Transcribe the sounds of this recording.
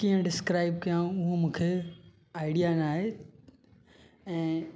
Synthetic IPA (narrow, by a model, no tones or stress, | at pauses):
kiːə̃ɖɪskɾaːɪb̚kɐjãʊɦũmũːkʰe | aːɪɖijanaːɦe | ɛ̃ː